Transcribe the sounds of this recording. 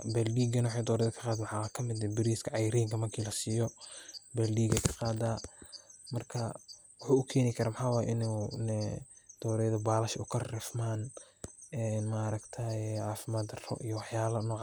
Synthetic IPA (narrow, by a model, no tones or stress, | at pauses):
bɛldiːɡɐnɐwħɑjd̪ɔːɾɛjðɐkʰɐ̥qɑːd̪awħakʰɐmɪd̪ɛbɪɾiːskʰɐʕɑjɐɾɛːŋkʰɐmɐrkʰiːlɐsiːjɔbɛldiːɡɐkʰɐ̥qɑːd̪aː | mɐrkʰɐ | wʊħuːʊkʰɛːnɪkʰɐɾamħaːwaːjɛʔɪnɛnɛd̪̥ɔːɾɛjðɐbaːlɐʃʔʊkʰɐrɛfmaːn | ɛnmaɾɐɡt̪ʰɐjʕɑːfɪmaːd̪rɔ̰ʔijɔwɑħjaːlɐnɔːʕ